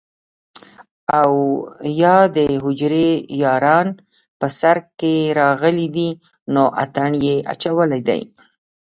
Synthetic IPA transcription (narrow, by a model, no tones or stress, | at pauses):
awjɑd̪əɦʊd͡ʒɾejɑɾɑn | pəsaɾkeɾɑɣəlid̪i | noʔa̰t̪aɳjeʔa̰t͡ʃawəlajd̪a̰j